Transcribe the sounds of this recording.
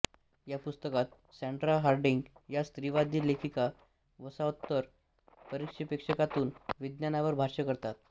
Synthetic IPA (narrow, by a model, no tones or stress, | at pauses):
japust̪əkat̪̚ | seɳʈɾalɦaɾɖiŋɡjast̪ɾiʋad̪ʱilekʰika | ʋəsaut̪ːəɾ | pəɾikʂipekʂəkat̪uːnʋid̪njanaʋəɾbʱaɾʂəkəɾt̪at̪̚